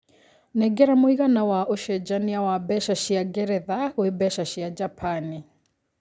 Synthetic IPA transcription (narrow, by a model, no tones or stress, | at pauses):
nɛɡɛɾamoiɣanawaʔoʃɛd͡ʒaniawabɛʃaʃiaɡɛɾɛðaɣwebɛʃaʃiad͡ʒapʰani